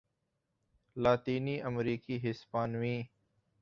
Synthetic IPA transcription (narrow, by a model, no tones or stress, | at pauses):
laːt̪iːniːʔəmɾiːkiːɦɪspaːnʋĩː